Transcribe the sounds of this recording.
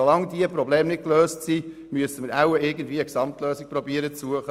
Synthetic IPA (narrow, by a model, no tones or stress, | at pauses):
olɑŋd̪iəpɾobleːmnɪt̚kløːstsi | myəsəməɾawəɪɡən̩dviːəksɑmtløːsik̚pɾɔbiəɾət͡suəχə